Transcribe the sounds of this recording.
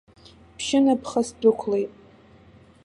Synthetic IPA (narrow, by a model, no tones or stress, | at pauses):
pʰʃɪnapʰχasdʷʊkʷʰlejtʼ